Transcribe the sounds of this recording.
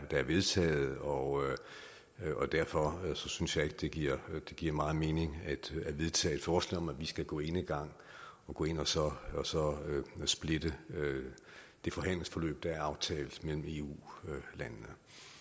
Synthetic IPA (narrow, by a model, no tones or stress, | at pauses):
d̥ɑ̈æɐʋe̝ðˠt͡sʰɛ̰ːð̩ˠɒ | ʔɒ̽d̥æɐfɒ̽sɒ̽synsjɑ̈e̝ɡ̥əd̥e̝ɡ̥iɐ̰d̥e̝ɡ̥iɐ̰mɑ̈ːð̩ˠme̝ːne̝ŋæd̥æɐʋe̝ðˠt͡sʰɛ̰ːed̥fɒːslɛ̰ːɒ̽mæʋisɡ̥æɡ̥ɔ̰̽ːe̝nəɡ̥ɑ̈ŋ̰ | ɒ̽ɡ̥ɔ̽ːe̝n̰ɒsɒ̽sɒ̽sb̥le̝d̥ə | d̥e̝fɒ̽ɦæn̰ləŋ̩sfɒ̽lø̰ːb̥̚d̥ɑ̈æɐɑ̈ʊt͡sʰɛ̰ːlð̩ˠmel̰m̩e̝ːṵːlænnə